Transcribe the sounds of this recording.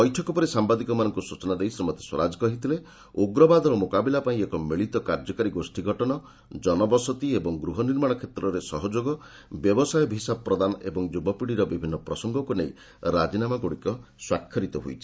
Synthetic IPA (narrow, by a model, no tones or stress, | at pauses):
pɔjʈʰɔkɔpɔɾesambad̪ikɔmanɔŋkusut͡ʃɔnad̪eɦismɔt̪e̥swɔ̰ɾad͡ʒɔkɔɦit̪ʰile | oɡɾɔbad̪ɔɾɔmokabilapaĩekɔmiɭit̪ɔkaɾd͡ʒɔkaɾiɡosʈiɡʱɔʈɔnɔ | d͡ʒɔnɔbɔsɔt̪iebɔŋɡɾuɦɔniɾmaɽ̃ɔkʰet̪ɾɔɾesɔɦɔd͡ʒoɡɔ | bjɔbɔsajɔbʱɦisabɔpɾɔd̪anɔebɔŋd͡ʒubɔpiɽiɾɔbibʱinːɔpɾɔsɔŋɡɔkunej | ɾad͡ʒinamaɡoɽikɔswakʰːɔɾit̪ɔɦo̰jt͡ʃʰi̥